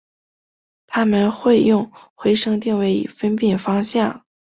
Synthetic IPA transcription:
t̪ʰa˥mə˨nxwe˥˧ɪjʊ˥˩ŋxwe˧˥ɪʂɤ˥ŋt̪̬i˥˧ŋwe˥˩ɪḭ˨˩fə˥npji˥˩nfɑ˥ŋɕjɑ˥˩ŋ

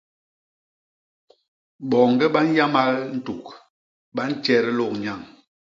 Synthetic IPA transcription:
ɓɔ˨ŋɡɛ˦ɓa˦n˦ja˦ma˦ln̩˦tu˨k̚ | ɓa˦n̩˦t͡ʃɛ˦ɾɛ˦lo˦˨k̚ɲa˦˨ŋ

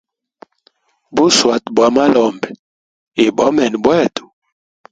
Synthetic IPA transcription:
bu˦swa˨tbwa˨ma˦lɔ˨mbɛ˨ | e˨bɔ˨˦mɛ˨n˨bwɛ˦˨tu̥˨

